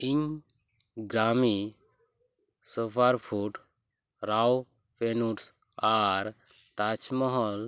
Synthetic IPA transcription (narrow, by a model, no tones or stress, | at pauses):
iɲ | ɡɾami | supʰaɾpʰuʈ | ɾaw | penuʈs | aɾ | t̪at͡ʃʰmɔɦɔl